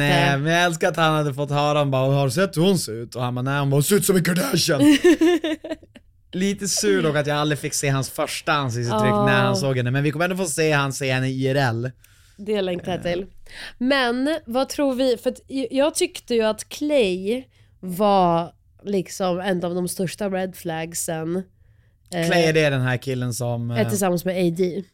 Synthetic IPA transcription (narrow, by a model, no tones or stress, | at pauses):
nɛmɛnjaɡɛls̬kaɾat̪hanhad̪ːəfɔt̪ːhœːɾaɔmbɑːhaɖʉsɛt̪ːhʊnseʉːt̪ɔhanbaːnɛɪhʊnbɑsʉːt̪sɔmɪnkʰɔɖæʂən | liːt̪əsʉːɖɔkːat̪jaːɡalɾɪfɪkːseːɦansfœʂʈaans̬ɪs̬ɪt̪ʰːɾʏkːnæɾhansoːɡhɛnːəmɛnvɪkʰɔməɛnoɔfoːseːhanseːhɛnːəiːɛɾɛlː | d̪ɛlɛŋkt̪aɪlmɛnvat̪ʰɾuːɾvɪfœat̪jɑːɡ̚t̪ʰʏkt̪əjɵat̪kʰlɛj | va | lɪksɔmɛnːɑːvd̪ɔmst̪œʂʈabɾɛd̪flæɡsən | kʰlɛjɖ̪ɛɖɛnɦæːɾkʰɪlːənsɔmɛt̪ʰɪsamːansmɛeɪd̪iː